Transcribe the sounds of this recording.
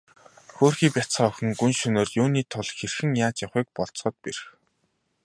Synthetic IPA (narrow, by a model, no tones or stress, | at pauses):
xoːrxiːpʲat͡sχɔːxɘ̆ŋɡunʃɵnoːrjuːniːt̪ʰʊɮxerxɘ̆ŋjaːt͡ɕjaχiːk̚pɔɮt͡sχə̆t̪̚perx